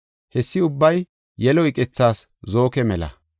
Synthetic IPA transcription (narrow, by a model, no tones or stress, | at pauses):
hɛsːɪʊbːɐj | jɛlɔɪkʼɪt͡sːaːs | zo̞ːkɛmɛlɐ̰